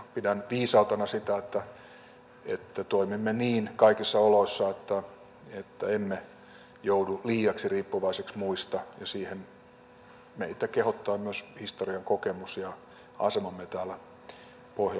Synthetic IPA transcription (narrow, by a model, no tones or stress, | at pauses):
pidænʋiːsɑut̪ɑnɑsit̪æet̪ːæ | ḛt̪ːæt̪oimimːeniːnkɑikisːɑoloisːɑet̪ːæ | et̪ːæemːe | jouduliːɑksiriːpːuʋɑiseksmuist̪ɑjɑsiːhen | mḛit̪ækehot̪ːɑːmyøshist̪oriɑŋkokemusjɑ | ɑ̰semɑmːet̪æːlːæ | pohjɑ